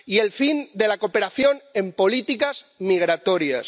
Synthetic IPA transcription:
ielfind̪elakopeɾaθjonempolit̪ikazmiɣ̞ɾat̪oɾias

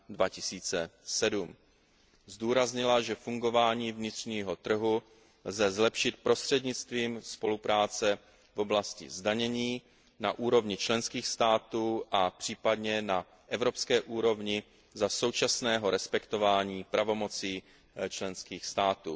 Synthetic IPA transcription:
dvacɪsiːt͡sɛsɛdum | zduːɾazɲɪlaʒɛfuŋɡo̞vaːɲiːvɲɪt̪r̝̥ɲiːɦo̞t̪r̩ɦu | lzɛzlɛpʃɪt̪̚pɾo̞st̪r̝̥ɛdɲɪt͡st̪viːmspo̞lupɾaːt͡sɛ | vo̞blascɪ̰zdaɲɛɲiː | naʔuːɾo̞vɲɪt͡ʃlɛnskiːxst̪aːt̪uːʔapr̝̥iːpadɲɛna | ʔɛvɾo̞pskɛːʔuːɾo̞vɲɪ | zaso̞wt͡ʃasnɛːɦo̞ɾɛspɛkt̪o̞vaːɲiːpɾavo̞mo̞t͡siː | t͡ʃlɛnskiːxst̪aːt̪uː

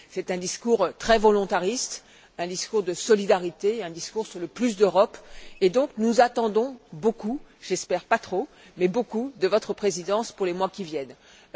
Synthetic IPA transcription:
sɛt̪ɛ̃d̪iskuʁt̪χɛvɔlɔ̃t̪aʁist̪ | ɛ̃d̪iskuʁd̪əsɔlid̪aʁit̪eɛ̃d̪iskuʁsyʁləplys̬d̪øʁɔped̪ɔ̃knuzat̪ɑ̃d̪ɔ̃bokuʒɛspɛʁpat̪χo | mɛbokud̪əvɔt̪χəpχezid̪ɑ̃spuʁlemwakʲivjɛn

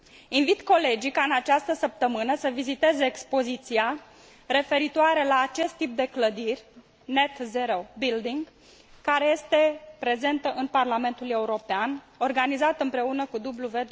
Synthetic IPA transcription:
invit̪ko̞le̞d͡ʒikaɨnat͡ʃast̪əsəp̚t̪əmɨnəsəvizit̪e̞zeːkspo̞zit̪sia | ɾe̞fe̞ɾit̪oaɾe̞laːt͡ʃe̞st̪ːip̚d̪e̞kləd̪irʲ | ne̞t̪zeɾo̞bild̪iŋɡ | kaɾe̞je̞st̪e̞pɾe̞ze̞nt̪əʔɨnparlame̞nt̪ule̞uɾo̞pean | o̞rɡanizat̪ɨmpɾe̞unəkud̪ubluve

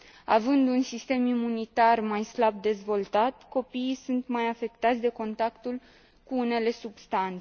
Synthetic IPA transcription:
a̰vɨnd̪unsist̪e̞mimunit̪armajslab̚d̪e̞zvo̞lt̪at̪ko̞piːsunt̪majafe̞kt̪at̪sʲd̪e̞ko̞nt̪akt̪ul | kuune̞le̞subst̪ant̪e

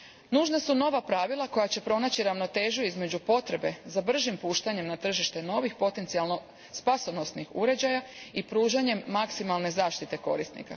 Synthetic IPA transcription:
nuːʒnasuno̞ʋapɾaʋilˠako̞jat͡ɕe̞pɾo̞nat͡ɕiɾaʋno̞t̪e̞ːʒuizme̞d͡ʑupo̞t̪ɾe̞be̞zabr̩ʒimpuːʃt̪aɲemnat̪r̩ʒiʃt̪e̞no̞ʋixpo̞t̪e̞nsialno | spasono̞snixuɾe̞d͡ʑajaipɾuːʒaɲe̞mːaksimalˠne̞zaːʃt̪it̪e̞ko̞ɾist̪nḭka̰

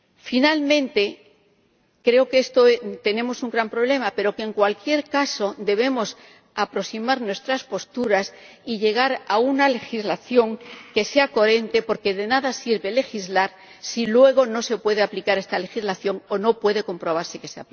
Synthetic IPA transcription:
finalmẽ̞nt̪e̞ | kɾe̞o̞keest̪ot̪e̞ne̞mo̞suŋɡɾampɾo̞βle̞mape̞ɾo̞keŋkwalkje̞ɾkaso̞d̪e̞β̞e̞mo̞s | apɾo̞simaɾnwe̞st̪ɾaspo̞st̪uɾas | iʎe̞ɣ̞aɾaunale̞xizlaθjo̞ŋke̞seako̞ɾe̞nt̪e̞po̞ɾke̞ðe̞naðasiɾβe̞le̞xizlaɾ | silwe̞ɣ̞o̞nose̞pwe̞ð̞e̞aplikaɾe̞st̪ale̞xizlaθjo̞ŋo̞no̞pwe̞ðe̞ko̞mpɾo̞βaɾse̞ke̞sea̰pli

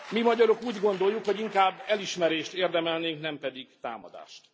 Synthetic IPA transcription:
mimɒɟɒɾokuːɟɡo̞nd̪ojukhoɟiŋkaːbːɛliʃmɛɾeːʃt̪eːrd̪ɛmɛlneːŋknɛmpɛd̪iɡt̪a̰ːmɒ̰d̪a̰ːʃt̪

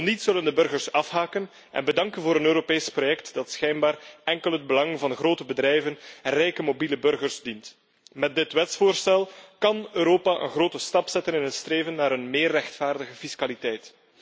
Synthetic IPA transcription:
ɔnitsɵləndəbɵrɣərsɑfɦaːkən | ʔɛ̰nbədɑŋkənvoːɾənøːɾopeːsprojɛktd̥ɑtsxɛjnbaːrɛŋkəlˠɦəd̚bəlɑŋvɑnxroːtəbədɾɛjvənɛnrɛjkəmobiləbɵrɣərzdint | mɛt̚dɪtʋɛtsfoːrstɛlˠkɑnøːɾoːpaʔə̰nɣroːtəstɑpsɛtənɪnɦətstreːvənːaːɾənmeːrːɛxtfaːrdəɣəfiskalitɛjt

